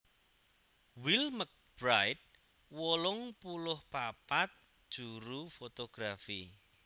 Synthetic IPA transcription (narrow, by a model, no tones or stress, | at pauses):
wilmək̚b̥ɾajt̪̚ | wɔlʊŋpulʊhpapat̪̚ | d̥ʒ̥uɾufot̪oɡ̥ɾafi